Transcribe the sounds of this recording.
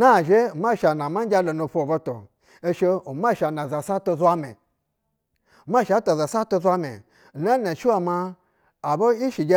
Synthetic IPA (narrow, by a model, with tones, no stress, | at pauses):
na˦˨ʒe˦˨ma˦˨ʃa˨na˨ma˦a˦lo˨nu˧˨fo˦˨bo˦to̰˨ | e˦ʃe˧o˨ma˦ʃa˨na˨za˨sa˦to˧za˦mḛ˨ | ma˦˨ʃa˨˦to˨za˨sa˦to˧zʷa˦mḛ˨ | na˦na˨ʃi˦wa˧ma˧ | a˨bo˦i˦ʃi˨ɡʲe˦